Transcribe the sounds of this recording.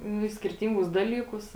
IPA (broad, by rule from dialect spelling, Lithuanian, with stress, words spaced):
nʊ ɪ sʲkʲɪrʲˈtʲiːŋɡʊs ˈdɑːlʲiːˌkʊs